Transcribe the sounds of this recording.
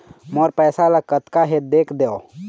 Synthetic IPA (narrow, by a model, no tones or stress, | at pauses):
moːɾpɛːsalakət̪kaɦet̪̚d̪eːkʰd̪eo